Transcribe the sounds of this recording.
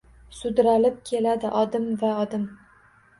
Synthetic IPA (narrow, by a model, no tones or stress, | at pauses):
sʊd̪ɾalɪp̚kʲʰe̞lad̪ɪʔɒd̪ɪmvaɒd̪ɪm